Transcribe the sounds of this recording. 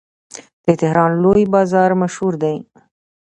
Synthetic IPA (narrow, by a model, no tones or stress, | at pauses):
d̪̥ət̪ɪhɾɑnlojbɑzɑɾmaʃhuɾd̪aj